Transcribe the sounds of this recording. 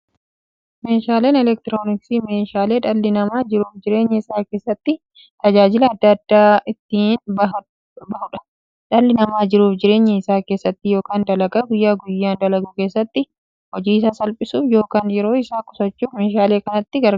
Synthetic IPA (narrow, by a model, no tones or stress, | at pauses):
me̞ːʃaːleːnɛlɛk̚t̪ɪɾo̞ːnɪksiːmeːʃaːle̞ːᶑɐlːɪnɐmaːd͡ʒɪɾuːfd͡ʒɪɾe̞ːɲːɛɪsaːke̞ːsːɐt̪ːɪ | t̪ɐd͡ʒaːd͡ʒɪlɐːd̪ːɐd̪̥ːaːɪt̪ːiːnbɐ | bɐhʊᶑɐ̥ | ᶑɐlːɪnɐmaːd͡ʒɪɾuːfd͡ʒɪɾe̞ːɲːɛɪsaːke̞ːsːɐt̪ːɪjo̞ːkaːnd̪ɐlɐɡɐɡʊjːaːɡʊjːaːnd̪ɐlɐɡukeːsːɐt̪ːɪ | hɔd͡ʒiːɪsaːsɐlpʼɪsuːfjo̞ːkaːnjɛɾo̞ːɪsaːkʼʊ̥sɐt͡ʃːuːfmeːʃaːle̞ːkɐnɐt̪ːɪɡɐɾ